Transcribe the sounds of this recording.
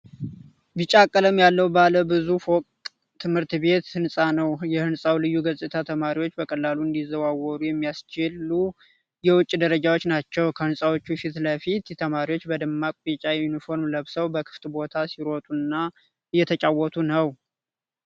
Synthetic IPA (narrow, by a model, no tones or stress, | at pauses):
bɨt͡ʃʼakʼːələmjalːəwbaləbɨzufokʼt̪ʼ | t̪ʰːɨmhɨɾt̪be̞t̪hɨnsʼanəwjɛhɨnsʼawlɨjːuɡəzʼɨt̪ʰat̪ʰəmaɾiwot͡ʃːbəkʼəlːaluɨnd̪izːəβawːɔɾujɛmːijast͡ʃɪlːu | jɛwʊt͡ʃʼːd̪əɾəd͡ʒawot͡ʃːnat͡ʃːɛwkʰəhɨnsʼawot͡ʃːufit̪ləfit̪t̪ʰːəmaɾiwot͡ʃːbəd̪ɨmːakʷʼbit͡ʃʼajɛjunifo̞ɾmləβsəwbəkʰɨ̥ft̪ʼbo̞t̪ʰasiɾot̪ʼunːa | ɨjːɛt̪ʰət͡ʃʼawːɔt̪ʰunəw